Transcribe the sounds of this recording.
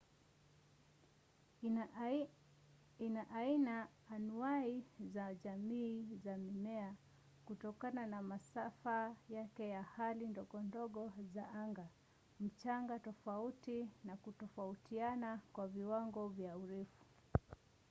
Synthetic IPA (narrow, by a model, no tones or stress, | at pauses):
inaʔainaː | nuaizaʄamiːzamimɛa | kutɔkananamasafajakɛjahalindɔɠɔndɔɠɔzaaŋɡa | m̩t͡ʃaŋɡatɔfautinakutɔfautʰianakwaviwaŋɡɔvjauɾɛfu̥